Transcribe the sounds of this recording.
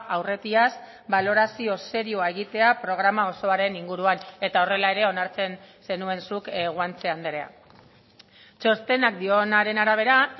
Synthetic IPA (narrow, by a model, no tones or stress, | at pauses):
ʔawre̞t̪ias | balo̞ɾasio̞se̞ɾiuae̞ɣ̞it̪e̞apɾo̞ɣ̞ɾamao̞so̞aɾe̞niŋɡuɾuane̞t̪ao̞re̞lae̞ɾe̞o̞naɾt͡se̞nse̞nue̞nsukɣwant͡se̞and̪eɾea̰ | t͡ʃo̞st̪e̞nak̚d̪io̞naɾe̞naɾaβ̞e̞ɾa